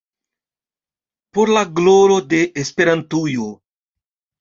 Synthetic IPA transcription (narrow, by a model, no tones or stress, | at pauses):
poɾlaɡloɾod̪e̞ʔːspeɾant̪ujo